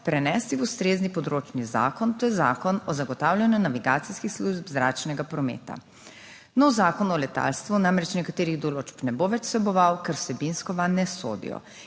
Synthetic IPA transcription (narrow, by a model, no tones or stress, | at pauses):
pɾɛnɛːst̪iust̪ɾeːznipɔd̪ɾoːt͡ʃniza̰ːkɔnt̪ojɛzaːkɔnɔzaɡɔt̪awlʲjanjunaʋiɡaːt̪siskixsluʒbzɾaːt͡ʃnɛɡapɾɔmḛːt̪a̰ | nɔwzaːkɔnɔlɛt̪a̰lst̪ʋunamɾɛt͡ʃnɛkat̪eːɾiɣd̪ɔloːt͡ʃpnɛboʋɛt͡ʃsʋɛbɔʋawkɛɾwsɛbinskɔʋanɛso̰ːd̪ḭjɔ̰